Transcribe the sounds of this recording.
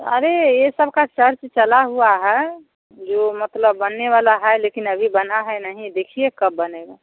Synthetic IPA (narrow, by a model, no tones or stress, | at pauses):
əɾejesəbʱkat͡ʃəɾt͡ʃt͡ʃəlaɦuaɦɛ | d͡ʒoːmət̪ləbːənːeʋalaɦɛlekinəbʱibənaɦɛnəɦĩd̪ekʰiekəb̚ːəneɡa